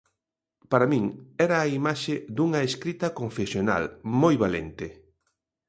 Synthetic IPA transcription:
paɾamĩŋɛɾɐːimaʃed̪uŋɐeskɾit̪ɐkoɱfesjona̰lmojβalḛnt̪ɪ

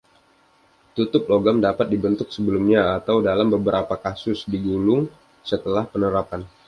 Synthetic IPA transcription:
t̪ut̪ʊp̚loɡamdapat̪̚dibənt̪ʊk̚səbəlumɲaːt̪awdalambəbəɾapakasʊsdiɡulʊŋ | sət̪əlahpənəɾapan

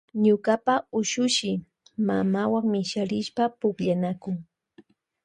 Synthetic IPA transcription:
ɲʊkapaʊʃʊʃɪ | mamawaŋmɪʃaɾɪʃpapʊkʎanakʊŋ

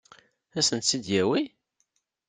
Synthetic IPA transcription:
æsənt̪sid̪jæwi

